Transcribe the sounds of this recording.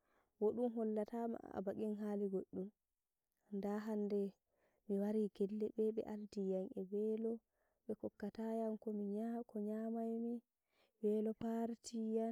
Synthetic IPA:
woɗumɦɔlːatama̰a̰baɡinɦaːliɡoɗːum | ndaɦandɛ | miwaɾiɡɛlːɛɓɛɓɛ̰ʔaldijanɛbɛlɔ | ɓɛkɔkːatajamkɔmiɲakʰɔɲamajmi | bɛlɔpaɾtʰijan

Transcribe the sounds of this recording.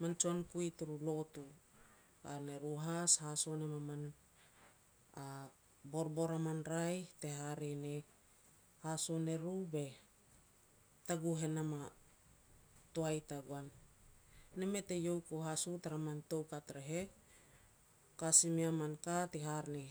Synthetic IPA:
mant͡ʃankuituɾulotu | a̰neɾuɦashasonemaman | a | boɾbo̞ɾamanɾajteɦaɾene | hasone̞ɾube | taɡuɦe̞nama | toajtaɡuanː | emetejo̞wkoɦasutaɾamantowkatɾeɦe | kasimiamankateɦaɾne

